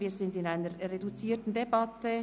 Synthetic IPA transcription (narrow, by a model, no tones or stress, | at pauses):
viːzɪndɪnaɪnəɾʁedut͡siːtn̩debɑtə